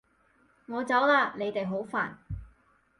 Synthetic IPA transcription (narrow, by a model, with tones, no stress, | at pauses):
ŋɔː˨˧t͡sɐ˨˥wlaː˧ne˨˧jt̪e˨jɦo˨˥wfa̰ː˨˩n